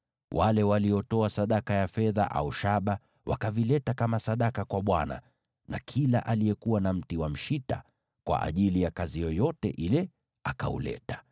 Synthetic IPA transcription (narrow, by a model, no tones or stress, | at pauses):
wʔalɛwaliɔtɔasaɗakajafɛða̰ʔa̰uʃaɓa | wʔa̰kavilɛtakamasaɗakakwaɓwana̰ | na̰kʰila̰ʔalijɛkuwanam̩tiwam̩ʃita̰ | kwa̰ʔa̰ʄilijakazijɔjɔtɛ̰ʔilɛ | aka̰ṵlɛ̰tḁ